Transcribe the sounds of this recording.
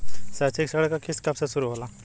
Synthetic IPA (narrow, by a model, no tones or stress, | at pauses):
sat͡seksaɽəkakʰiskapsasuɾuːɦola